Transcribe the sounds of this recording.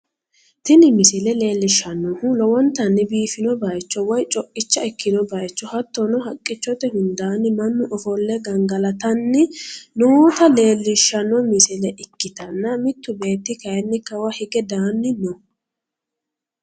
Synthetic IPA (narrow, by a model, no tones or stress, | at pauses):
t̪ɪnɪmɪsɪlɛle̞ːlːɪʃːɐnːɔhʊlɔwɔnt̪ːɐnːɪbiːfɪnɔbɐjt͡ʃːɔwɔjt͡ʃʼɔkʼːɪt͡ʃːɐɪkʰːɪnɔbɐjt͡ʃːɔhɐt̪ːɔnɔhɐkʼːɪt͡ʃːɔt̪ɛhʊnd̪aːnːɪmɐnːʊʔɔfɔlːɛɡɐŋɡɐlɐt̪ɐnːɪnoːt̪ɐle̞ːlːɪʃːɐnɔmɪsɪlɛʔɪkːɪt̪ɐnːɐmɪt̪ːʊbe̞ːt̪ːɪkɐjɛnːɪkːɐwɐhɪɡɛd̪aːnːɪnɔ